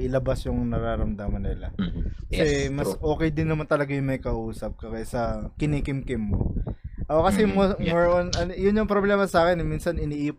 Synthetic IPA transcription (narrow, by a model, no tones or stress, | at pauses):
ʔɪlɐbasjʊŋnɐɾaːɾɐmd̪aːmɐnɪlɐ̰kɐsɛmɐsʔo̞ːkɛjd̪ɪnːɐmant̪ɐlɐɡajʊŋmɐjkɐʔuːsɐp̚kɐkɐsɐkɪnikɪmkɪmːo̰ʔokɐsɛmmoɹonɐnjʊnjʊŋpɾoblɛːmɐsaːkɛnɛminsɐnɪniːʔːk